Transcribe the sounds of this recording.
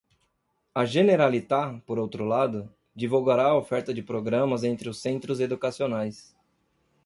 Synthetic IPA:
ɐʒeneɾalit̪apoɾowt̪ɾʊlad̪ʊ | d͡ʒivuwɡaɾaɐofɛɾt̪ɐd͡ʒɪpɾoɡɾɐ̃mɐzẽnt̪ɾɪʊsẽnt̪ɾʊzed̪ukasionajs

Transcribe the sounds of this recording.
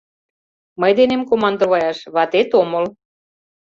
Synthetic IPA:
məjd̪enemkomɑnd̪ŏβɑjɑʃβɑt̪et̪omɤl

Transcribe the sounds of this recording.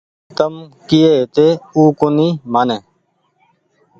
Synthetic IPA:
t̪əmkijeːt̪eːuːkoniːmaːneː

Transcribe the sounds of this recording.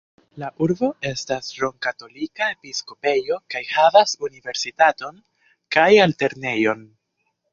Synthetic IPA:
laʔuɾbo̞e̞stasɾo̞ŋkato̞likaepisko̞pe̞jo̞kajhavasunive̞ɾsitato̞n | kajalte̞ɾne̞jo̞n

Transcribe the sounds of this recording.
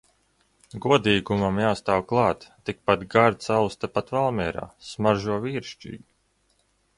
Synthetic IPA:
ɡuɔd̪iːɡumamjaːst̪aːwklˠɑːt̪ːik̚pat̪ɡaɾt̪sawst̪apat̪valˠmʲɛːɾa̰ːsmaɾʒuɔviːɾʃt͡ʃḭːɡi

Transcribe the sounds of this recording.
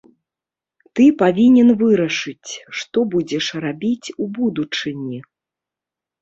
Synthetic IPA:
t̪ɨpavʲinʲɛnvɨɾɐʂɨt͡sʲʂt̪ɔbud͡zʲɛʂrabʲit͡sʲubud̪ut͡ʂɨnʲi

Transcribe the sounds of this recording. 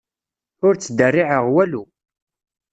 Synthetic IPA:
ʊɾt͡sːəd̪ərːiʕəʁwælu

